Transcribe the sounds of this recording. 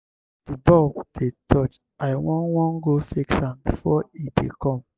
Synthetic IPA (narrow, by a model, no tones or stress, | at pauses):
d̥ibɔbd̥etʰɔt͡ʃ | aɪwɔ̃nwɔ̃nɡofiksãmbifɔidḛkɔ̃m